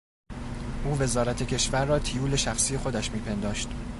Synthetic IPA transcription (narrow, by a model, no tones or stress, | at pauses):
ʔuːve̞zɒːɾæt̪ʰe̞cʰe̞ʃvæɾːɒːt̪ʰijuːle̞ʃæxsiːje̞xo̞d̪æʃmiːpʰe̞nd̪ɒːʃt̪